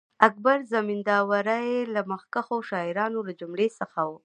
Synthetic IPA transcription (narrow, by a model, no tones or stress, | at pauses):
ak̚baɾzamind̪ɑwaɾajelamaxkaxoʃɑɪɾɑnolad͡ʒʊmɽesəxawu